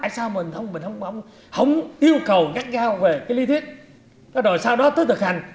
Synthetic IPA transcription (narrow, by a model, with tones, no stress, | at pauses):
jsaː˧wmï˨˩ŋ̟t̪ʰə˧wŋ͡mmï̟˨˩hə˧wŋ͡mə˧˨wŋ͡m | hə̰˧˥wŋ͡mʔi˧əwkə˨˩wŋa˦˥k̚zaː˧wve˨˩kaː˨˦jli˨˦t̪ʰwi˦˥t̚ | ɗɔ˨˦ɗo˨˩jsaː˧wɗɔ˨˦t̪əː˨˦t̪ʰɨ˨˩k̚ha˨˩jŋ̟